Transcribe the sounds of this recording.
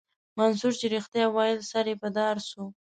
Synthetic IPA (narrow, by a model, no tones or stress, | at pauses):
mansuɾt͡ʃeɾixt̪jɑwɑjɪd̪saɾepəd̪ɑɾsu